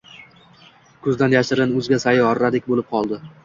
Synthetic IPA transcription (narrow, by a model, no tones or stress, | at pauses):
kʰʊzd̪anjaʃɪɾɪnɵzɡʲasajɒɾːad̪ɪkʲbolɪp̚qʰɒlˠd̪ɪ